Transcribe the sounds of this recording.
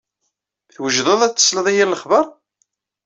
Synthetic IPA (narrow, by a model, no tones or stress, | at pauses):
θwəʒðˤəðˤæt͡sːə̥sləðˤijælːəχvəɾˤ